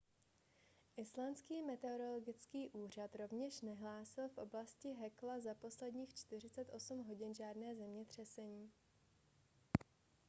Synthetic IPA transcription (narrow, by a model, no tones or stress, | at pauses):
ʔɪslanskiːmɛt̪ɛoɾo̞lo̞ɡɪt͡skiːʔuːr̝at̪ɾo̞vɲɛʃnɛɦlaːsɪlfʔo̞blascɪɦɛklazapo̞slɛdɲiːxt͡ʃt̪ɪr̝ɪt͡sɛt̪ʔo̞sumɦo̞ɟɪnʒaːdnɛːzɛmɲɛt̪r̝̥ɛsɛɲiː